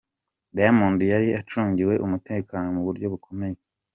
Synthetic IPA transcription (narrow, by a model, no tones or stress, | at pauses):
damuːndujaɾiat͡ʃuːɲɟiwe̞ʔumute̞ːkaːno̞muβuɾɟo̞βukʰo̞me̞je